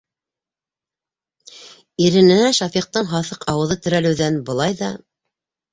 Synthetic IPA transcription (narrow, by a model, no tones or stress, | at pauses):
iɾɘ̆nɘ̆næʃɑfiq̚t̪ɤɴɦɑθɤqɑwɤ̆ðɤt̪ɵ̆ɾælɘ̆wðænbɤ̆lˠɑjðɑ